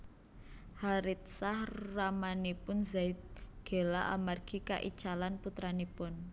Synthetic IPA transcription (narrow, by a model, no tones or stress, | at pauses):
haɾɪt̪̚sahramanepʊnzaɪt̪̚ɡ̥e̤laʔamarɡ̥ika̰ʔḭt͡ʃalanput̪ɾanepʊn